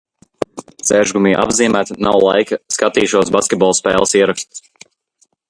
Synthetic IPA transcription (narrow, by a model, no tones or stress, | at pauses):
sɛʒɡumiːʔa̰bziːmæːt̪nawlˠa̰jkɐskat̪iːʃuɔsbaskʲet̪̚bɔlˠspɛ̰ːlˠɐsiɛɾakst̪s